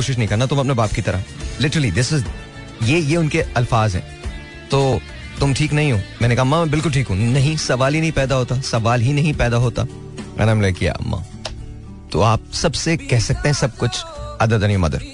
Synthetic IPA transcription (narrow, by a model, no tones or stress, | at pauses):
oːʃɪʃ̬nɐ̃ɦĩkɐɾnat̪ʊmɐpnebaːpkit̪ɐɾalɪʈəɾəlid̪ɪsɪz | jeːjeʊnkeɐlfaːzɦɛ̰̃ː | t̪oː | t̪ʊmʈʰiːknɐɦĩɦoːmɛ̃ːnekɐɦamãːmɛ̃ːbɪlkʊlʈʰiːkɦũnɐɦĩsɐʋaːlɦinɐɦĩpɛːd̪aɦoːt̪asɐʋaːlɦinɐɦĩpɛːd̪aɦoːt̪a̰ | mʔɛ̰ːnemlekija̰ɐ̰mːã̰ː | t̪o̰aːp̚sɐbsekɛɦsɐk̚t̪ẽɦɛ̃sɐb̚kʊt͡ʃʰɐd̪ət̪ɐnimɐ̰d̪ə̰ɾ